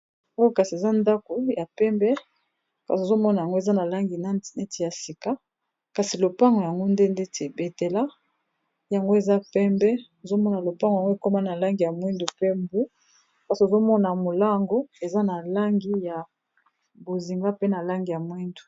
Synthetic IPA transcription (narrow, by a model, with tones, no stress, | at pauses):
o˦o˦ka˨si˨e˨za˦nda˦ko˨ja˨pɛ˦mbɛ˦ | ka˨si˨o˨zo˦mɔ˦na˨ja˨ŋɡo˦e˨za˦na˨la˦ŋɡi˨n˦˨ne˦ti˨ja˨si˨ka˦ | ka˨si˨lo˨pa˦ŋɡo˨ja˨ŋɡo˦nde˦nde˦te˨be˨te˨la˦ | ja˨ŋɡo˦e˨za˦pɛ˦mbɛ˦o˨zo˦mɔ˦na˨lo˨pa˦ŋɡŋɡo˦e˨ko˦ma˦na˨la˦ŋɡi˨ja˨mwi˦ndu˨pe˦mbu˦ | ka˨si˨o˨zo˦mɔ˦na˨mo˨la˦ŋɡo˦e˨za˦na˨la˦ŋɡi˦ja˨ | bo˨zi˨ŋɡa˦pe˦na˨la˦ŋɡi˨ja˨mwi˦ndu˨